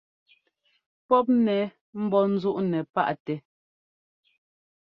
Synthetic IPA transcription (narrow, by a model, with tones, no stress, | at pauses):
pɔ˦p̬̚nɛ˨˦ | m̩˦bɔ˦n̩˦zu˦ʔnɛ˨pa̰˦ʔtɛ˨